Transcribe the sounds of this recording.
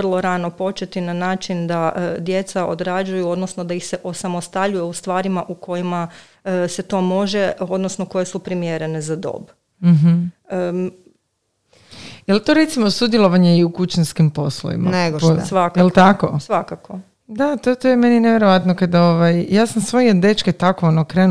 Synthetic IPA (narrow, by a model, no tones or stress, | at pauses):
rlˠo̞ɾanopo̞t͡ʃet̪inanaːt͡ʃind̪aʔd̪je̞t̪saʔo̞̰d̪ɾad͡ʒujuo̞d̪no̞snod̪aixse̞ʔo̞samo̞st̪aʎujeust̪ʋaːɾimaʔukʰo̞jima | se̞t̪o̞mo̞ʒe̞o̞d̪no̞snoko̞je̞supɾimjeɾe̞nezad̪o̰ːb | m̩ɦ̩ə | jelt̪oɾet̪simosud̪jelˠo̞ʋaɲeiukut͡ɕanskimpo̞slˠo̰ḭma̰neposʋakjelˠt̪akosʋakako̞ | d̪at̪ot̪ojemenineʋjeɾoʋat̪nokad̪oʋajjaːsamsʋo̞jid̪et͡ʃket̪akoonokɾeːn